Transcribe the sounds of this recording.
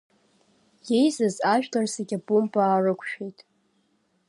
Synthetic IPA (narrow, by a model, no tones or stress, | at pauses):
je̞jzɨzaʒᶣtarseɡʲabumpʼaːrɨkʷʰʃᶣejtʼ